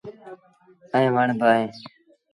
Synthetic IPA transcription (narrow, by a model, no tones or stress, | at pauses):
əɦẽːʋəɳbəaːɦeː